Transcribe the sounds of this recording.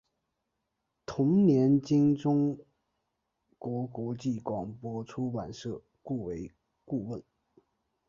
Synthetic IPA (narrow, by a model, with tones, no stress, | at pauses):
t̪ʰʊ˧˥ŋnjɛ˧˥nt͡ɕi˥ŋʈ͡ʂʊ˥ŋ | kwɔ˧˥kwɔ˧˥t͡ɕi˥˩kwɑ˨˩ŋpwɔ˧˥ʈ͡ʂʰu˥wa˨˩nʂɤ˥˩ | ku˥˩we˧˥ɪ | ku˥˧wə˥˩n